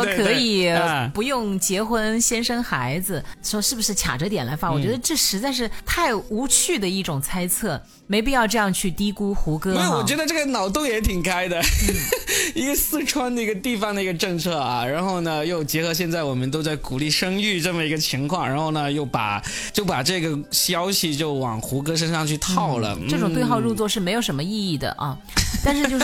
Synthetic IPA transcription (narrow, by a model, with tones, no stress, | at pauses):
ə˥˩e˧ɤ˧˥i˨˩˧pu˧˥jʊ˥˩ŋt͡ɕjɛ˧˥xwə˥nɕjɛ˥nʂə˥ŋxa˧˥ɪd͡zɹ̩˧ʂwɔ˥ʂɻ̩˥˩bu˩ʂɻ̩˥˩t͡ɕʰja̰˨˩ʈ͡ʂə˦t̪̬jɛ˨˩nla˧˥ɪfa˧˥wɔ˨˩t͡ɕɥɛ˧˥d̪ə˧ʈ͡ʂɤ˥˩ʂɻ̩˧˥t͡sa˥˧ɪʂ̬ɻ̩˥˧t̪ʰa˥˩ɪu˧˥t͡ɕʰy˥˩d̪ə˩i˥˩ʈ͡ʂʊ˨˩ŋt͡sʰa˥ɪt͡sʰɤ˥˩ | me˧˥ɪp̬i˥˧jɑ˥˧ʊʈ͡ʂɤ˥˧jɑ˥˧ŋt͡ɕʰy˥˩t̪i˥ku˥xu˧˥kɤ˥˩wɔ˨˩t͡ɕɥɛ˧˥d̪ə˧ʈ͡ʂɤ˥˩ɡə˩nɑ˨˩ʊt̪ʊ˥˩ŋjɛ˧˥t̪ʰi˨˩ŋka˥ɪd̪ə˨˥˩ | i˧˥ɡə˧sɹ̩˥˩ʈ͡ʂʰwa˥nd̪ə˨˩i˧˥ɡə˧t̪i˥˩fɑ˩ŋd̪ə˨i˧˥ɡə˧ʈ͡ʂɤ˥˧ŋt͡sʰɤ˥˩ɐ˧ɻa˧˥nxo˥˩ʊnə˩jo˥˩ʊt͡ɕjɛ˧˥xɤ˧˥ɕ̬jɛ˥˧nt͡sa˥˩ɪwɔ˨˩mə˦nt̪o˥ʊt͡sa˥˩ɪku˨˩li˥˩ʂɤ˥ŋy˥˧ʈ͡ʂɤ˥˩mə˩i˧˥ɡə˧t͡ɕʰi˧˥ŋkʰwɑ˥˧ŋɻa˧˥nxo˥˩ʊnə˩jo˥˩ʊpa̰˨˩ | t͡ɕjo˥˩ʊpa˨˩ʈ͡ʂɤ˥˩ɡə˩ɕjɑ˥ʊɕi˨t͡ɕjo˥˩ʊwɑ̰˨˩ŋxu˧˥k̬ɤ˥ʂ̬ə˥nʂɑ˥˧ŋt͡ɕʰy˥˧t̪ʰɑ˥˩ʊlə̰˩ʈ͡ʂɤ˥˩ʈ͡ʂʊ˨ŋtwe˥˧ɪxɑ˥˧ʊɻu˥˧t͡swɔ˥˧ʂɻ̩˥˩me˧˥jʊʂə˧˥nmə˧i˥˧i˥˩d̪ə̰˩ʔɐ̰˧ | t̪a˥˧nʂɻ̩˥t͡ɕo˥˧ʊ